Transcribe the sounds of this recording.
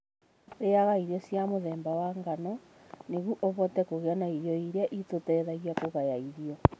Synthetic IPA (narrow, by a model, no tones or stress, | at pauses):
ɾeaɣaiɾiɔsjamoðɛːmbawaŋɡanɔ | neɣuʔɔβɔtɛkoɣeanaiɾjɔiɾeaʔitotɛðaɣiakoɣajaiɾiɔ